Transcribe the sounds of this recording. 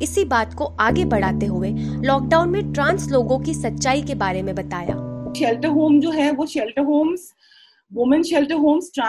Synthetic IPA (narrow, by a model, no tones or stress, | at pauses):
ɪsibaːt̪koʔaːɡebɐɽ̤aːt̪eɦʊelɔːk̚ɖaːʊnmẽʈɾãːnsloːɡõkisɐtːʃaːikebaːɾemẽbɐt̪aːja̰ːʃɛːlʈəɾɦoːmd͡ʒoːɦɛʋoʃɛlʈəɾɦoːmz | ʋʊmə̃nʃɛlʈəɾɦoːmsʈɾã